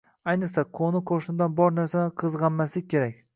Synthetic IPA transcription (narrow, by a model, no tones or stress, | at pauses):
ajnɨqsaqʰonɪqʰoʃɪnɪd̪anbɒɾnaɾsanɪqʰɨzʁɑnmaslɪk̚ʲkʰʲːe̞ɾak̚ʲ